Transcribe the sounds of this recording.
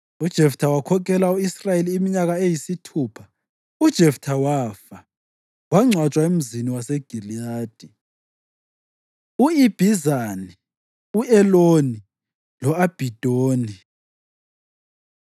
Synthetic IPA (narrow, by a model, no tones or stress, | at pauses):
ud̥ʒ̥ʱɛftʰawakʰɔk̬ʰɛlauisrajeliːmiɲaɣaejisitʰuːpʰḁ | ud̥ʒ̥ʱɛftʰawafa | waŋ͡ǀʱwat͡ʃʼwaem̩ziniwaseɡ̥ʱiliaːd̥ʱi | uib̥ʱizani | uɛloni | lɔab̥ʱid̥ʱoːni